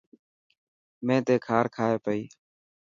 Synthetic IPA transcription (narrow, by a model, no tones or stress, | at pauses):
mẽːt̪eːkʰaːɾkʰaːɦeːpəiː